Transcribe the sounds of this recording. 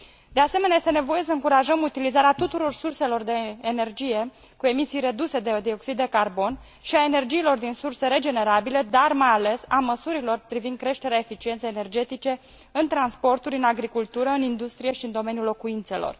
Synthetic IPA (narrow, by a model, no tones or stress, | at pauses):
d̪ease̞meneajest̪enevo̞je̞səɨŋkuɾaʒəmut̪ilizaɾeat̪ut̪uɾo̞rsurse̞lo̞rd̪e̞ːnerd͡ʒije̞ | kue̞misijre̞d̪use̞d̪ed̪io̞ksid̪ːe̞karbo̞n | ʃiae̞ne̞rd͡ʒiːlo̞rd̪insurse̞ɾe̞d͡ʒe̞ne̞ɾabile̞d̪armajale̞saməsuɾilo̞rpɾivind̪̚kɾe̞ʃt̪e̞ɾeae̞fit͡ʃient̪sejene̞rd͡ʒe̞t̪it͡ʃe̞ | ɨnt̪ɾanspo̞rt̪uɾʲɨnaɡɾikult̪uɾəɨnind̪ust̪ɾije̞ʃiɨnd̪o̞me̞nijulo̞kuint̪se̞lo̞̰r